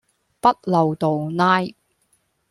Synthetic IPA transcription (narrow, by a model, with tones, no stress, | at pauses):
pɐ˥t̚lɐ˨wt̪o˨wnaː˥j